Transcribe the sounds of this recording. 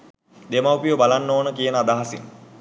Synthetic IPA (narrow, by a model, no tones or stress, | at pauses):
d̪emawpijobalanːoːnəkijənəad̪aɦasiŋ